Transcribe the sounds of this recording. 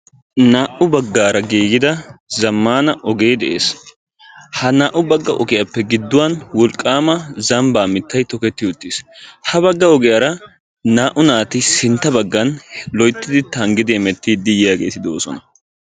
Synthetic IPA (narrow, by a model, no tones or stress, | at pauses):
naːʔʊbɐɡːaːɾɐɡiːɡɪd̪ɐzɐmːaːnɐʔɔɡe̞ːd̪ɛʔe̞̰ːs | hɐnaːʔʊbɐɡːɐʔɔ̰ɡɪjapːɛɡɪd̪ːʊwanwɔlkʼːaːmɐzɐmbaːmɪt̪ːɐjt̪ɔkɛt̪ːɪʊt̪ːishɐbɐɡːɐɔɡɛjaːɾɐ | naːʔʊnaːt̪ɪsɪnt̪ːɐbɐɡːɐnlɔjt̪ːɪd̪ɪt̪ɐŋɡɪd̪ɪɛmɛt̪ːɪd̪ɪjɪjaːɡe̞ːt̪ɪd̪oːsɔ̰nɐ